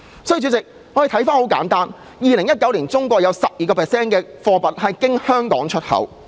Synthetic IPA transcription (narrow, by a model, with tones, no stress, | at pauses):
sɔː˨˥jt͡ʃyː˨˧˥t͡sɪ˨k̚ | ŋɔ˨˧ɾe˨jt̪ʰɐ˨˥jfaː˥nho˨˥wkaː˨˥nt̪aː˥n | jiː˨˧lɪ˨˩ŋjɐ˥t̚kɐ˨˥wliː˨˩nt͡sʊ˥ŋkʷɔː˧k̚jɐ˨˧wsɐ˨p̚jiː˨kɔː˧pʰɛ˨˩sɛː˥nkɛː˧fɔː˧pɐ˨t̚hɐ˨jkɪ˥ŋhœː˥ŋkɔː˨˥ŋt͡ʃʰɵ˥t̚hɐ̰˨˥w